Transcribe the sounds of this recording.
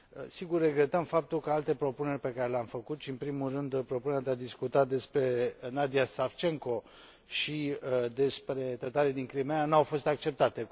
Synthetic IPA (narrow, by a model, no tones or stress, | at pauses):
siɡurːe̞ɡɾe̞t̪əmfap̚t̪ulkəalt̪e̞pɾo̞pune̞rʲpe̞kaɾe̞leamfəkut̪ʃiɨmpɾimulrɨnd̪pɾo̞punɾʲad̪ead̪iskut̪at̪̚d̪e̞spɾe̞nad̪iasaft͡ʃe̞ŋko̞ | ʃid̪e̞spɾe̞t̪ət̪aɾed̪iŋkɾimeanawfo̞st̪ak̚t͡ʃe̞p̚t̪at̪e̞